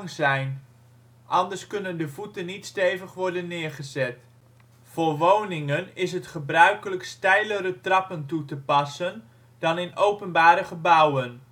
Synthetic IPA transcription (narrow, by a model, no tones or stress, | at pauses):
ŋzɛjn | ʔɑndəɹskɵnəndəvutənːitstejvəχʋɔɹdənːɪːɹχəzɛt | fʊːɹʋownɪŋənɪs̬ɦətχəbrœɥkələkstɛjləɾətrɑpəntutəpɑsən | dɑnɪnowpənbaːɾəχəbʌwən